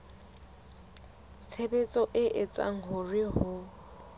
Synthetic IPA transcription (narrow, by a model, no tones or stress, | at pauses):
t͡sʰebet͡sʼɔʔɪʔɪt͡sʼa̰ŋ̩ɦʊrɪɦʊ